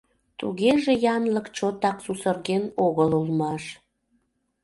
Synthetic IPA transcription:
t̪ṵɣeʒejɑnləkt͡ɕot̪ɑksusərɣenoɣəlulmɑʃ

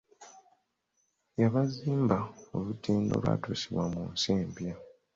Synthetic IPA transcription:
jaβaziːmbao̞lutʰiːno̞̰lwa̰ːtosiβwamuːnseːmbja

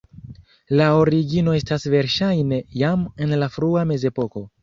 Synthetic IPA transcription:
lao̞ɾiɡino̞e̞stasve̞ɾʃajne̞jamenlafɾuame̞ze̞po̞ko̞

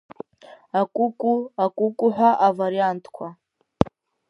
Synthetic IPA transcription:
akʷʼukʼuakʷʼukʼuħʷᶣaʔavaɾiantʰkʷʰa

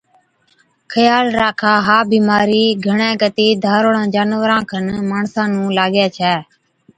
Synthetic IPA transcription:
kʰəjaːlɾaːkʰaːɦaːbiːmaːɾiːɡʱəɳẽːkət̪iːd̪ʱaːɾoɽãːd͡ʒaːnʋəɾãːkʰənmaːɳsãːnũːlaːɠjaːt͡ʃʰɛː

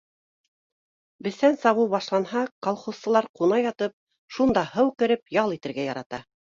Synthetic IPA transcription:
bɘ̆θænsɑβɤwβɑʃlˠɑnhɑkolˠχŏst̪ɤ̆lˠɑɾqunɑjɑt̪ɤp̚ | ʃund̪ɑhɤwkɘ̆ɾɘpjɑlˠit̪ɘ̆ɾɡæjɑɾɑt̪ɑ

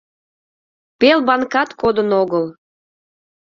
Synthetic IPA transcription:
pelbɑnkɑt̪kod̪ənoɣəl

